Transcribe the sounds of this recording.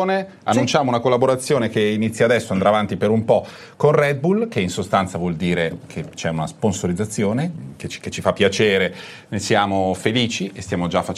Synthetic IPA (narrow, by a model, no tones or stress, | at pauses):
ne | anːunt͡ʃaːmounakolːaboɾat̪sːjoːnekeinit̪sːjaːd̪ɛsːoand̪ɾaːvant̪ipeɾumpɔ | konrɛd̪̚bulkeinsost̪ant̪savwɔld̪iːɾekʰet͡ʃɛunasponsoɾid̪zat̪sːjoːneket͡ʃket͡ʃːifapːjat͡ʃeːɾe | nesjaːmofeliːt͡ʃiest̪jamod͡ʒafːat͡ʃ